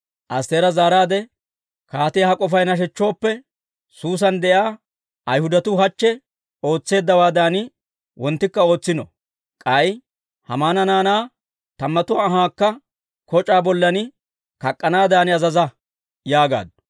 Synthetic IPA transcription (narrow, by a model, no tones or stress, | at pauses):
ʔɐst̪eːɾɐzaːɾaːd̪ɛ | kaːt̪ɪjhɐkʼɔfɐjnɐʃ̬ɛt͡ʃːo̞ːpːɛ | suːs̬ɐnd̪ɛjaː | ʔɐjhʊd̪ɐt̪ʊhɐt͡ʃːɛ | o̞ːt͡sːe̞ːd̪ːɐwaːd̪aːnɪ | wɔnt̪ːɪkːɐo̞ːt͡sːɪnɔ̰ | kʼɐj | hɐmaːnɐnaːnaː | t̪ɐmːɐt̪ʊaːɦaːkːɐ | kɔt͡ʃʼaːbɔlːɐnɪ | kɐkʼːɐnaːd̪aːnɪɐzɐzɐ | jaːɡa̰ːd̪ʊ